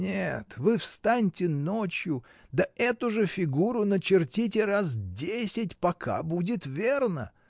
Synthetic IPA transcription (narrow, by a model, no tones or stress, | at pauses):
nʲet̪vɨfst̪anʲtʲɪnot͡ɕjʊ | d̪əʔɛt̪ʊʐɨfʲɪɡuɾʊnət͡ɕɪrtʲit̬ʲɪraz̬dʲesʲɪtʲpɐkʰa̰budʲɪt̪vʲernə̰